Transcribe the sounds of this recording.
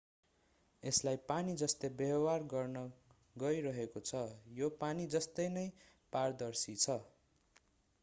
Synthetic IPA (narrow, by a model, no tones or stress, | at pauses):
eslajpanid͡zʌst̪ʌjbʌʌwarɡʌrnʌ | ɡʌiɾʌɦekot͡sʰʌjopanid͡zʌst̪ʌjnʌj | pard̪ʌrsit͡sʰʌ